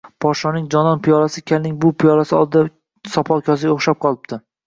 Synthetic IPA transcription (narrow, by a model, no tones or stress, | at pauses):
pʰɒʃɒnɪŋd͡ʒɒnɒnpʰijɒlasɪkʲʰalnɪŋbʊpʰijɒlasɪɒ̰lˠd̪ɪd̪a | sɒpʰɒlˠkʲʰɒzɪɡʲaoχʃap̚qʰɒlˠɪp̚t̪ʰɪ